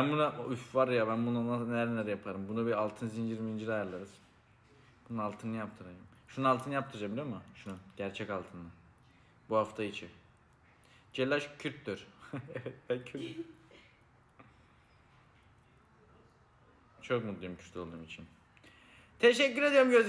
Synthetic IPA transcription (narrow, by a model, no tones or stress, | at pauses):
bænbunaʔufvaɾjaβænbunananelæɾnɛɾɛjapʰaɾɯmbunubialˠt̪ʰɯnzind͡ʒiɾmind͡ʒiɾajɯɾlˠaɾɯz̥ | bunalˠt̪ʰɯnɯjap̚t̪ʰɯɾajɯmʃunalˠt̪ʰɯnjap̚t̪ʰɯɾd͡ʒambilʲiomɯʃunuɟ̥æɾt͡ʃʰɛcalˠt̪ʰɯnɯ | buhaft̪ʰait͡ʃʰi | d͡ʒelʲːaʃcʰyɾt̪lyɾ̥ɛvɛt̪̚bæcʰy | t͡ʃʰokmud̪lˠajimcʰyɾt̪ʰʲo̞lˠd̪uːmit͡ʃʰin | t̪ʰeʃɛcːyɾe̞d̪ijoɾmɟøz